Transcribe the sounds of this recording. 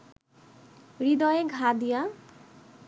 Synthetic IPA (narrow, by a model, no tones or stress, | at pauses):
ɾid̪ɔjeɡʱad̪ija